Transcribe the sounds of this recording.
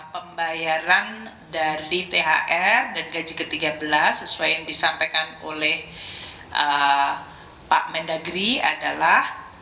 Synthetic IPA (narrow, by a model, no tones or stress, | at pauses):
pəmbajaɾan | daɾit̪eɦa̰ʔɛrdanɡad͡ʒikət̪iɡabəlasːəsuajjaŋdisampajkano̰lɛh | ʔə | pa̰ʔmɛndaɡɾia̰dalah